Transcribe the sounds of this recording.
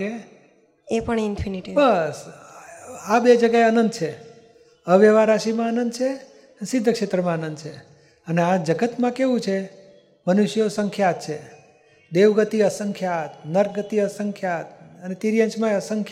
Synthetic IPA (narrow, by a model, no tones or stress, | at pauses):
e | epəɳinpʰiniʈibəs | abed͡ʒəɡaeənənd̪t͡ʃʰe | əʋeʋaɾaʃimãːnənd̪t͡ʃʰe | sid̪ʱːəkʂet̪ɾəmãanənd̪t͡ʃʰe | ənead͡ʒəɡət̪mãkeʋũt͡ʃʰe | mənuʃjosəŋkʰjat̪t͡ʃʰe | d̪eʋɡət̪iəsəŋkʰjat̪nəɾɡət̪iəsəŋkʰjat̪ənet̪iɾijə̃nt͡ʃmãəsəŋkʰ